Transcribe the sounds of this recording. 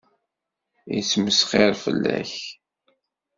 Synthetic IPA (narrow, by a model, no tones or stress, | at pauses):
it͡sːməsχɪɾfə̰lːæ̰ç